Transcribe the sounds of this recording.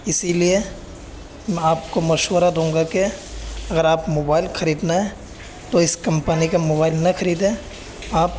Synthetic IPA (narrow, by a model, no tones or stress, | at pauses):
ɪsilie | mɛ̃aːpkomɐʃwəɾad̪õːŋɡakeɐɡəɾaːpmoːbaːɪlxʰɐɾiːd̪naɦɛ | t̪oɪskɐ̃mpənikemoːbaːɪlnɐxɐɾiːd̪ɦẽ | aːp̚